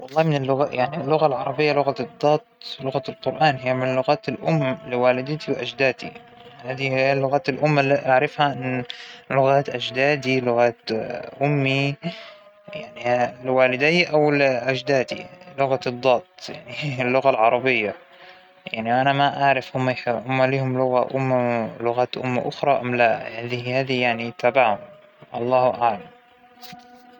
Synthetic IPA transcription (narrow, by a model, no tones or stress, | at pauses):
wɑlˤːɑːhmɪnɪlːʊɣajaʕnilːʊɣalʕɑɾˤɑbɪjːalʊɣad̪ˤːɑːt̪̚ˤlʊɣalqʊɾʔaːnɦɪjːamɪnlːʊɣaːt̪ɪlʔʊmːlɪwaːlɪd̪ɪt̪ʰiwʔad͡ʒd̪aːd̪ḭ | haːd̪ihɪjːalːʊɣaːt̪ɪlʔʊmːaliʔaʕɾɪfhaʔɪnlʊɣaːt̪ʔad͡ʒd̪aːd̪ilʊɣaːt̪ʔʊmːi | jaʕnilwaːlɪd̪ɪjʔawɪlʔad͡ʒd̪aːd̪ḭlʊɣad̪ˤːɑːt̪ˤja̰ʕnilːʊɣalʕɑɾˤɑbɪjːa | jaʕniwʔanamaʔaʕɾˤɪfhʊmːaħʊmːaliːhʊmlʊɣaʔʊmːalʊɣaːt̪ʔʊmːa̰ʔʊxɾˤɑʔamlaaðihhaːðijaʕnit̪ʰaːbaʕhʊm | ʔɑlˤːɑːhʔaʕlam